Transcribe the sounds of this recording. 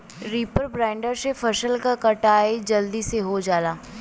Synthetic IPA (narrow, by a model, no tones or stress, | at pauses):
ɾiːpəɾbɾãːɪɳɖəɾsefɐʃəlkakɐʈaːed͡ʒɐld̪iseɦod͡ʒaːlaː